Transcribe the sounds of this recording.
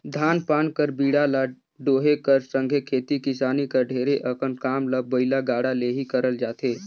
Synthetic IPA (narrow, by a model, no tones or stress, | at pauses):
d̪ʱaːnpaːnkəɾbiːɽala | ɖoːɦekəɾsə̃ŋɡʱekʰeːt̪ikɪsaːnikəɾɖʱeːɾeʔəkənkaːmləbəɪlaɡaːɽaleɦikəɾəld͡ʒaːt̪eː